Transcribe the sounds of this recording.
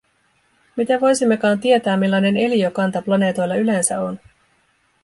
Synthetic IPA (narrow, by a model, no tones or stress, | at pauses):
mit̪æʋo̞jsimːe̞kɑːnt̪ie̞t̪æːmilːɑjne̞ne̞liokɑnt̪ɑplɑne̞ːt̪o̞jlːɑyle̞nsæo̞n